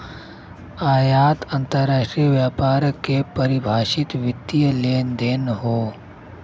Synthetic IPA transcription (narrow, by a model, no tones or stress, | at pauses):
aːjaːt̪ə̃nt̪əɾɾaːʃʈɾijʋjaːpaːɾkepəɾɪbʱaːʃɪt̪ʋɪt̪ːijəleːnd̪eːnɦoː